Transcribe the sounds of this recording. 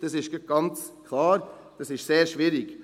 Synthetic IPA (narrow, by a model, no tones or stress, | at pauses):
d̪̥ɑsɪʃɡəɡ̥ɑnt̪t͡skʰlɑːɾ | d̪̥ɑsɪʃseːɾʃʋiːɾɪɡ